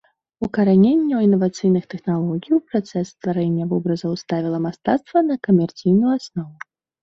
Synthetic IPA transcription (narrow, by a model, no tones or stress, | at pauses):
ukɐɾanʲenʲːɛwinːɐvat̪sɨjnɨxt̪ɛxnalˠɔɣʲijupɾat̪sɛsːt̪vaɾɛnʲːɐvɔbɾɐzɐwst̪avʲilˠɐmast̪at̪st̪vɐnɐkɐmʲɛrt̪sɨjnujuasnɔvu